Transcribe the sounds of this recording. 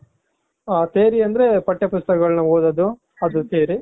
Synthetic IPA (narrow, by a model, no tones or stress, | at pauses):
aːt̪eːɾiɐnd̪ɐɾepɐʈːɐpʊst̪ɐkɐɡɐɭɐnɐoːd̪ɐd̪u | ɐd̪useːɾi